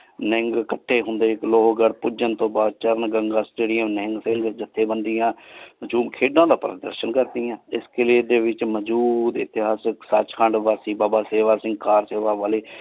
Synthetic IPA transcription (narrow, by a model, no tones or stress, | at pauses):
nɪŋɡkəʈʰːeːɦʊnd̪eːɪkloːɦoɡəɽpʊd͡ʒənt̪õːbaːd̪̚t͡ʃəɾnɡəŋɡaːsʈeːɖɪjəmnɪŋɡsɪŋɡd͡ʒət̪ʰːeːbənd̪ɪjãːt͡ʃuːmkʰeːɖãːd̪aːpəɾəd̪ə̰ɾʃənkəɾd̪iːjãːɪskeleːd̪eːʋɪt͡ʃməd͡ʒuːd̪ɪ̰t̪ɪɦaːsksaːt͡ʃkʰəɳɖʋaːsiːbaːbaːseːʋaːsɪ̃ŋɡ̚kaːɾseːʋaːʋaːleː